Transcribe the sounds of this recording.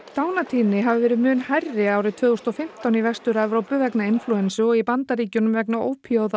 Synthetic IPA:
θaːwnat̪ʰiːnɪɦavɪvɛːɾɪmʏːnhajrːɪaːwɾɪt̪ʰvœːðust̪ɔfɪm̥t̪awnivɛst̪ʏɾavɾowpʏvɛknaɪnfluɛnsʏɔɣipant̪aɾiːcʏnʏmvɛknao̰ːwpʰioːwða

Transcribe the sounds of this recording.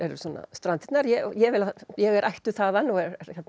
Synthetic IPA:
ɛɾsɔnːa̰st̪ɾant̪ɛ̥t̪naɾjɛɔjɛʋɪlajɛɣɛɾʔajht̪ʏθaːðanɔɛɾɛɾçjɛt̪n

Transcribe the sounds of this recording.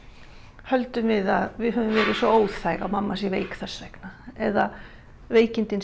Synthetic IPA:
hœlt̪ʏmvɪðaðvɪðhɦœvʏmvɛːɾɪsvɔoːwðθajɣa̰wmamːasiveːjkθɛ̥sɾɛjknaɛða | veːjcɪnt̪ɪn

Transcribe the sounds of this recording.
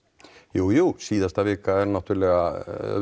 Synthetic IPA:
juːjuːsiːðast̪aʋeːkaɛɾnat̪ʰyːɾlɪɣa

